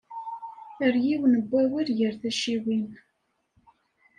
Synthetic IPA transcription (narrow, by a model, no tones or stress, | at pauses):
θəɾjiwnəbːæwiɾjəɾθæʃiwin